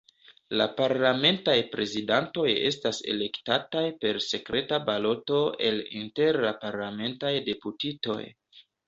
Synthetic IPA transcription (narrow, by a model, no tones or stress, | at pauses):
la̰paɾlame̞ntajpɾe̞zidanto̞je̞̰stase̞̰le̞ktatajpe̞ɾse̞kɾe̞tabalo̞to̞e̞lḭnte̞ɾapaɾlame̞ntajde̞putito̞̰j